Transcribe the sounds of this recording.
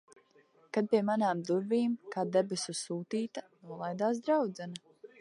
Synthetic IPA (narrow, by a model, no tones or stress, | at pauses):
kad̪̚piɛmanaːmd̪uɾviːmkaːd̪ebesʲussuːt̪iːt̪anuɔlˠajd̪aːs̬d̪ɾawd̪zɛna